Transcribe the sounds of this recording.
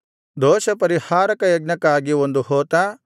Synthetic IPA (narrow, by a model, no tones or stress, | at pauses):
d̪ɔːʃɐpɐɾihaːɾɐkɐjɐɡ̚nɐkaːɡiond̪uhɔːt̪a